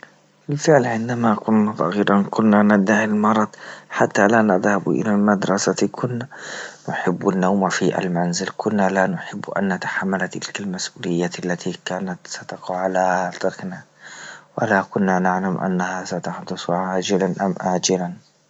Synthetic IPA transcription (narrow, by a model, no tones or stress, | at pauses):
bɪlfɪʕlʕɪnd̪amakʊnːasˤɑ̰ɣiːɾˤʔɑnkʊnːanad̪aʕɪlmɑɾˤɑd̪ħat̪ːalanaðhab̰ʔɪ̰lalmad̪ɾˤɑsakʰʊnːanʊħɪbːanːawmafiʔa̰lmanzɪlkʰʊnːalanʊħɪbːʔa̰nːat̪ḁħamːalt̪ɪ̰lkalmasʔuːlɪjːaalːat̪ʰikaːnat̪sat̪ɑqɑʕalat̪ˤɑɾˤkna | walakʊnːanaʕlamʔa̰nːahasat̪aħd̪ʊsˤʕaːd͡ʒɪlanʔa̰mʔaːd͡ʒɪlan